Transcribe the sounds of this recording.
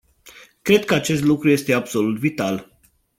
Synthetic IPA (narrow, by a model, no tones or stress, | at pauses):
kɾe̞d̪̚kəat͡ʃe̞st̪lukɾuje̞st̪e̞abso̞lut̪vit̪al